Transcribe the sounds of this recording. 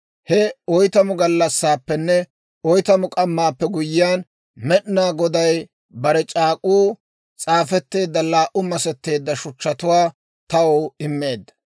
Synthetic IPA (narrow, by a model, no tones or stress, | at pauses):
hɛɔjt̪ɐmʊɡɐlːɐsːaːpːɛnːɛ | ɔjt̪ɐmʊkʼɐmːaːpːɛɡʊjɪjaːn | mɛɗnaːɡɔd̪ɐj | bɐɾɛt͡ʃʼaːkʼuː | t͡sʼaːfɛt̪ːe̞ːd̪ːɐlaːʔʊmɐsɛt̪ːe̞ːd̪ːɐʃʊt͡ʃːɐt̪ʊwaː | t̪ɐwoːɪmːe̞ːd̪ːɐ̥